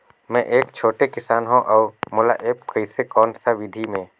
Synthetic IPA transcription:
mɛ̃ʔeːkt͡ʃʰoːʈekɪsaːnɦõʔɔːɾmʊla̰ʔeːpkəɪsekɔːnsaʋɪd̪ʱimẽː

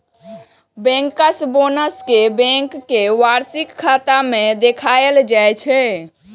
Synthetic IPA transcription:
bɛ̃ŋkəsbonəskebɛ̃ŋkːeʋaɾsikʰːat̪amẽd̪ekʰaeld͡ʒajt͡ʃʰɛ

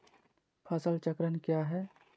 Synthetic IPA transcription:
pʰɐsəlt͡ʃəkɾənkjaːɦɛː

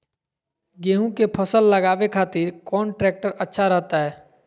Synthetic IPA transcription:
ɡeːɦũkepʰəsəlːəɡaːʋekʰaːt̪ɪɾkɔːnʈɾɛːk̚ʈəɾətːʃʰaɾɛɦt̪aɦɛː

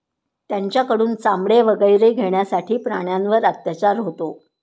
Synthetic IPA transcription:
t̪jaɲt͡ɕjakəɽuːnt͡samɽeʋəɡəjɾeɡʱeɳjasaʈiːpɾaɳjanʋəɾət̪jat͡ɕaɾɦot̪o

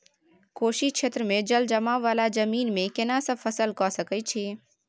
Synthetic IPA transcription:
koːʃiʃʰeːt̪ɾəmẽd͡ʒəld͡ʒəmaʋaːlad͡ʒəmiːnmẽkɪnasəfʰəsəlkɔːsəkəit͡ʃʰi

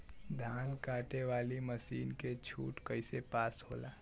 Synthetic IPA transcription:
d̪ʱaːnkaːʈeʋaːliməsiːnket͡ʃʰṵːʈkəɪsepaːsho̰ːlaː

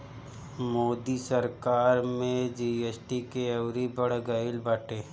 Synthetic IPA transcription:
moːd̪isəɾkaːɾmẽd͡ʒiesʈikeɐwɾibɐɽ̤ɡəɪlbaːʈeː

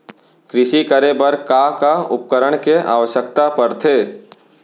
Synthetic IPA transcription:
kɾɪʃikəɾebəɾkakaʊp̚kəɾəɽ̃keʔa̰ːʋəʃjəkt̪apəɾt̪ʰeː

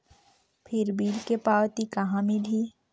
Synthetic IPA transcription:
pʰɪɾbiːlkepaːwt̪ikɐɦãmiliː

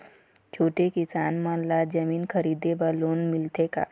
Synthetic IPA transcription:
t͡ʃʰoːʈekɪsaːnmãlad͡ʒɐmiːnkʰɐɾiːd̪ebaloːnmɪlt̪eka̰ː

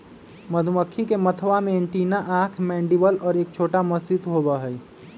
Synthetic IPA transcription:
məd̪ʱuməkʰːikemət̪ʰʋamẽeɳʈinaʔãːkʰmɛ̃ːɳɖibəlɔːɾeːk̚t͡ʃʰoːʈaməsd͡ʒit̪ɦobəɦəj

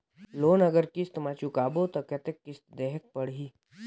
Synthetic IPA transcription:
loːnɐɡəɾkɪst̪mat͡ʃukaːbot̪okɐt̪ekːɪst̪d̪eɦək̚pəɽɦiː

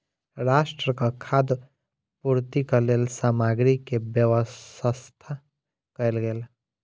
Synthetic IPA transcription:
ɾaːʃʈɾəkakʰad̪ | puɾt̪ikəleːlsaːmaɡɾikebjəʋəsəst̪ʰa | kɐelɡeːl

